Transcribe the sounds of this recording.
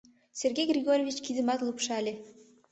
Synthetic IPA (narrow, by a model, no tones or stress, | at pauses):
sʲerɡʲejɡrʲiɡoɾʲovʲit͡ɕkid̪ɘ̆mɑt̪lˠupʃɑlʲe